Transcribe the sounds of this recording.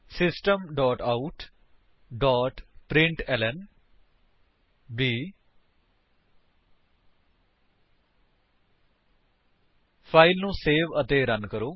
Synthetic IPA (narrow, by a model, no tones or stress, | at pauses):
sɪsʈəmɖɔːʈaːuʈ | ɖɔːʈpɾɪ̃ɳʈɛːlɛn | biː | pʰaːilnũːseːʋət̪eːɾənkəɾoː